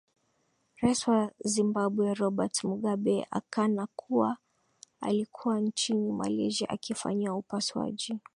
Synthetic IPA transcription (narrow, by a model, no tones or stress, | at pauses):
ɾaiswazimbaɓwɛɾɔɓatmuɠaɓɛʔa̰kanakʰuwa | a̰likʰuwant͡ʃinima̰lɛʒiʔa̰kifa̰ɲiaupaswa̰ʄi